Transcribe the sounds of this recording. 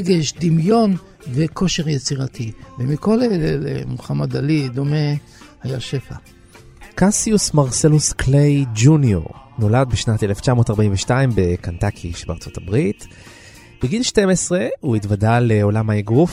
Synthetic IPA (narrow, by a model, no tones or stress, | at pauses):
ɡeʃd̪imjo̞n | veko̞ʃeʁjet͡siʁat̪ʰivemiko̞lelelḛmuχamad̪alid̪o̞me̞ | hajaʃe̞fa̰ | kasiusmaʁselusklejd͡ʒunijo̰ʁ | no̞lad̪̚beʃnateleft͡ʃamo̞ːtaʁbaiɱveʃtaimbe̞kantakʰiʃebea̰ʁt͡so̞tabʁit | b̥eɡilʃtemesʁeuitvadaleo̞lamaeɡʁuf